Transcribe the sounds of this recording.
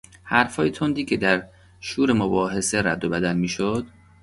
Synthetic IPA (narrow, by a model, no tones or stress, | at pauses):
hæɾfhɒːjet̪ʰond̪iːcʰe̞d̪æɾ | ʃuːɾe̞mobɒːɦe̞se̞ɾæd̪ːobæd̪ælmiːʃod̪̥